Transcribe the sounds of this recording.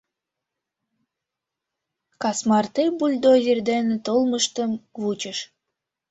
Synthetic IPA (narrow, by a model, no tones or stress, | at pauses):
kɑsmɑrt̪ejbulʲd̪ozʲerd̪ent̪olˠməʃt̪əmvut͡ɕə̆ʃ